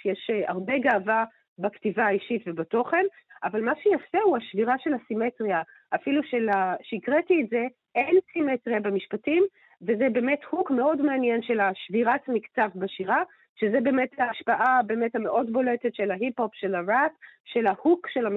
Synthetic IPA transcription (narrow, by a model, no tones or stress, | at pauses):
jeʃa̰ʁbeɡaːva | baktivaːiʃitvebato̞χe̞nʔavalmaʃejafehuaʃviʁaʃe̞lhasimetʁia | ʔafiluʃelaʃeikʁetiːtze̞ | ʔensimetʁiabemiʃpatim | vezebe̞ːmethukme̞o̞dmeanjenʃelaʃviʁatmikt͡savbaʃiʁa | ʃezebeːmetaːʃpaʔabe̞ːmethameʔo̞dbo̞letetʃelaɦiphopʃelaʁatʃelahukʃelam